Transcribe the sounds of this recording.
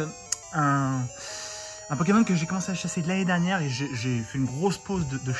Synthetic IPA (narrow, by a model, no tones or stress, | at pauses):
ɛ̃ | ɛ̃pɔk̬emɔnkəʒekɔmɑ̃seaʃased̪laned̪ɛʁnjɛʁeʒeʒefɛynɡʁospozd̪əd̪əʃ